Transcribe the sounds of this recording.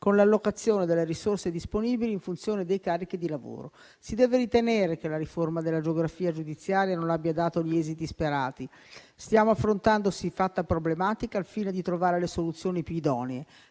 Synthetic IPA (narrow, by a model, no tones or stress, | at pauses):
konlalːokat̪sːjoːned̪elːeɾisorsed̪isponiːbiliːɱfunt̪sjoːned̪ejkaːrːik̟id̪ilavo̰ːɾo̰ | sid̪ɛːveɾit̪eneːɾek̟elaɾiformad̪elːad͡ʒeoɡɾafiːad͡ʒud̪it̪sːjaːɾjanonabjad̪aːt̪oʎiɛːzit̪ispeɾaːt̪i | st̪jaːmoafːɾont̪and̪osifat̪ːapɾoblemaːt̪ikaːlfiːned̪it̪ɾovaːɾelesolut̪sːjoːnipjuid̪ɔːnee